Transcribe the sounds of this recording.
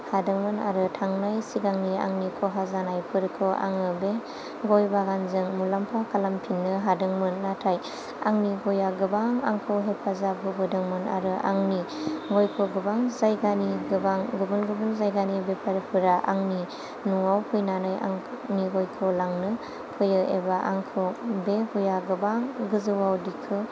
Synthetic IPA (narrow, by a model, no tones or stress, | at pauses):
hadɯŋmɯna̰ɾɯtʰaŋnajsiɡaŋnia̰ŋnikʰɔɦazanajpʰɯɾkʰɯʔa̰ŋɯbe | ɡɔjbaɡanzɯŋmulampʰakʰalampʰinːɯɦadɯŋmɯnːatʰaj | aŋniɡɔjaɡɯbaŋa̰ŋkʰawɦepʰazabɯɡɯdɯŋmɯna̰ɾɯʔa̰ŋniɡojkʰoɡɯbaŋzajɡaniɡɯbaŋɡɯbɯnɡɯbɯnzajɡanibepʰaɾpʰɯɾaʔa̰ŋni | nuŋawpʰɯjnanaja̰ŋ | niɡojkʰɯwlaŋnɯ | pʰɯjɯʔebaʔaŋkʰɯwbehujaɡɯbaŋɡɯzɯwawdikʰɯ